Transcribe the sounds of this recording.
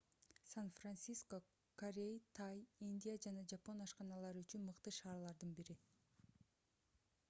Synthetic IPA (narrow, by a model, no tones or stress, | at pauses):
sanfransisko̞ | koɾʲejt̪ʰɑjinʲd̪ʲijad͡ʒɑnɑd͡ʒapo̞nɑʃqɑnɑlˠɑɾyt͡ʃynmɯqt̪ɯʃɑːɾlˠɑɾd̪ɯnbiɾi